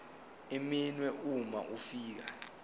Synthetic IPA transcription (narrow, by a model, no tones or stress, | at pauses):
iminwɛʔuma̰ʔufiːk̬a